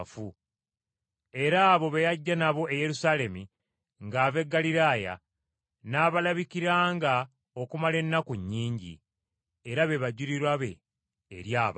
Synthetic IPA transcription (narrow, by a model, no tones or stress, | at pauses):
fu | e̞ɾaːβo̞βejaɟːanaβo̞ʔeje̞ɾusaːle̞mi | ŋɡaːve̞ɡːaliɾaːja̰ | naːβalaβikiɾaːŋɡa | o̞kumale̞nːakoɲːiːɲɟḭ | eɾaβe̞βaɟuɾiɾwaβe̞̰ː | ɾjaːβ